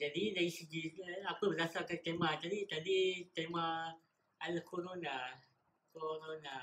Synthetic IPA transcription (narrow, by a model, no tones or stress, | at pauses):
d͡ʒadilaisid͡ʒiapəbəzasakat̪emãt̪adit̪adit̪ema | alkʰonona | konɔna